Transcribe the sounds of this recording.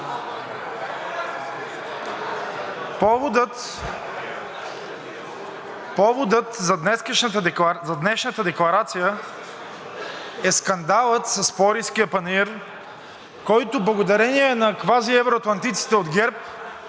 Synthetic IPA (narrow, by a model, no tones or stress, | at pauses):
pd̪t̪ | pɔvod̪ət̪zɐd̪nɛskəʃnət̪əzɐd̪nɛʃnət̪əd̪ɛklˠɐɾat̪sijə | ɛskɐnd̪alˠət̪sɐspɔɾiskijəpɐniɾ | kɔjt̪ʊblˠɐɡod̪ɐɾɛniɛnɐkvaziɛvɾoɐt̪lˠɐnt̪it̪si̥t̪ɛod̪ɡɛɾp̚